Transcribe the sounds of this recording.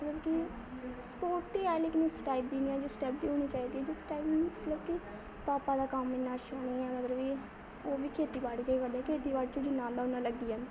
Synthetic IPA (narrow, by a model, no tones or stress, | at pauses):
mət̪ləbki | spoːʈt̪iːɛːlɪːknũsʈaːib̚d̪iːniːɛːd͡ʒoːsʈɛːp̚d̪iːɦoːɽ̃iːt͡ʃaːiːd̪iɛd͡ʒosʈaːibmət̪ləbki | paːpaːd̪aːkamːɪnːaːʃoːɽ̃iːɛːmət̪ɾəbiː | oːʋiːkʰeːt̪iːbaɖɡəiːkəd̪eːkʰeːt̪iːbaɖ̚t͡ʃʊɽiːnãːld̪aːʊnãːləɡːiːãːnd̪